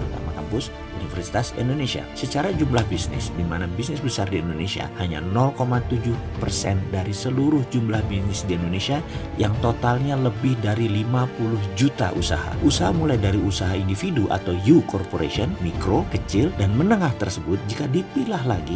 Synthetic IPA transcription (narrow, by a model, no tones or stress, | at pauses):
t̪a̰makampʊs | unifərsi̥t̪asḭndonesia̰sət͡ʃaɾad͡ʒumlahbisnɪ̰sdimanabisnɪsbəsardiindonesia̰haɲa̰nɔlkomat̪ud͡ʒʊhpərsɛndaɾisəluɾʊhd͡ʒumblahbisnɪsdiindonesia | jaŋt̪ot̪alɲaləbɪhdaɾilimapulʊhd͡ʒut̪a̰ʔṵsa̰ha̰ʔusaɦamulajdaɾiusaɦaindifiduʔa̰t̪awjukɔrpoɾḛsiɔnmikɾokət͡ʃɪldanmənəŋaht̪ərsəbʊt̪̚d͡ʒikadipilaɦlaɡi